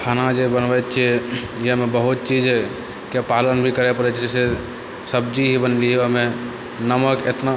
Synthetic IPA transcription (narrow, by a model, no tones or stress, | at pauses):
kʰanad͡ʒebənbɛt̪t͡ʃʰɛ | jeɦəmebəɦut̪̚t͡ʃid͡ʒ | kepalənbʱikəɾɛpəɾɛt͡ʃʰɛd͡ʒɛse | səbd͡ʒiɦibənliɦəme | nəməket̪na